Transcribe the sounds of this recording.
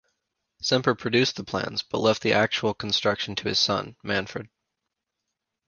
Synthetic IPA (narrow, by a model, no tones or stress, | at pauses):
sɛ̃mpə˞pʰɹ̥ɨdʉsðəpʰl̥æ̰̃nz̥b̥ʌʔˡlɛft̪̚ðiʔæk̚t͡ʃul̩ˠkʰn̩stɹ̥ʌkʃn̩tʰɨɨz̥sʌ̰̃nmæ̃nfə̰˞d̥̚